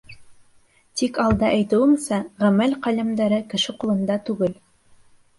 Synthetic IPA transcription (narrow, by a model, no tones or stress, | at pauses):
t̪ikɑlˠd̪ɑʔæjt̪ɘ̆wɘmsæʁæmælqɑlɘ̆md̪æɾɘkɘ̆ʃɘqulˠɤ̆nd̪ɑt̪ʉɡɘl